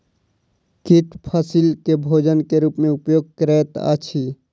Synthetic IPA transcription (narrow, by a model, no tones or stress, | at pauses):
kiʈpʰasilkebʱoːd͡ʒənkeɾuːpmẽʊpjoːɡ̚kɾɛːt̪a̰t͡ʃʰi